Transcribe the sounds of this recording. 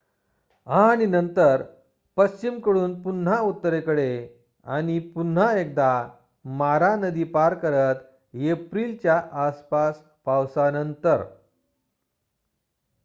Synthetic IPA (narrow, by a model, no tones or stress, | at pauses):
ɦãːñinənt̪əɾ | pəst͡ɕimkəɽuːnpun̤aut̪ːəɾekəɽe | a̰ɽ̃ipun̤aek̚d̪a | maɾanəd̪iːpaɾkəɾət̪ | epɾilt͡ɕjaʔaspas | pawsanənt̪əɾ